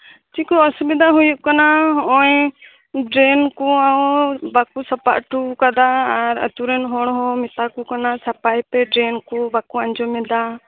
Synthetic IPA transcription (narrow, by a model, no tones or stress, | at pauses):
t͡ʃikɔɔsubid̪aɦujuʔkanaɔɔ̃j | ɖɾɛnkuaɔbakusəpa̰ʔʈukad̪aːɾə̰t̪uɾɛnɦɔɽ̃ɦɔmɛt̪akukanasəpajpɛɖɾɛnkubakuaɲd͡ʒɔmɛd̪a